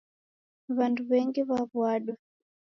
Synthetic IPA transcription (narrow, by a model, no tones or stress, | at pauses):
βanduβɛŋɡiβaβwaɗwa